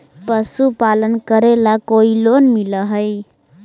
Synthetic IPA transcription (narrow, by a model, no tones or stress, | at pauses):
pəsupalənkəɾelakoilonmiləɦəj